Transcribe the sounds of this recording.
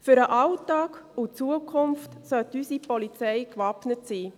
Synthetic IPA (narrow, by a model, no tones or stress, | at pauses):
fyɾəʔɑltɑːkʊt͡suəkʰʊmftsœltysipɔlit͡sɛɪkvɑpnətsiː